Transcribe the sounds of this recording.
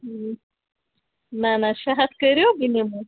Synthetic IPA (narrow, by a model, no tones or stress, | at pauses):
ɦ | nanaɕaɦat̪kəɾjobinemu